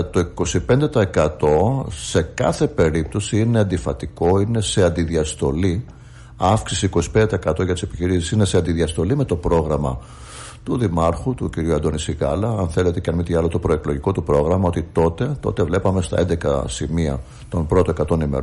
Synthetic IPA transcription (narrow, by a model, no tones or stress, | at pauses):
t̪o̞iko̞sipe̞nd̪e̞t̪ɐekɐt̪o̞se̞kɐθe̞pe̞ɾip̚t̪o̞siine̞ɐnd̪ifɐt̪iko̞ine̞se̞ɐnd̪iðiɐst̪o̞li | ɐfksisiiko̞si̥pend̪et̪ɐekɐt̪oʝɐt̪isepiçiɾisisine̞seɐnd̪iðiɐst̪o̞lime̞t̪o̞pɾo̞ɣɾɐmɐ̰ | t̪uðimɐɾxut̪uciɾiuɐnd̪o̞nisiɣɐlɐɐnθe̞le̞t̪e̞cɐnmit̪iɐlot̪o̞pɾo̞eklo̞ʝiko̞t̪upɾo̞ɣɾɐmɐo̞t̪it̪o̞t̪e̞t̪o̞̰t̪e̞vle̞pɐme̞st̪ɐ̰end̪e̞kɐ̰simiɐ̰ | t̪o̞npɾo̞t̪o̞e̞kɐt̪o̞nimḛɾ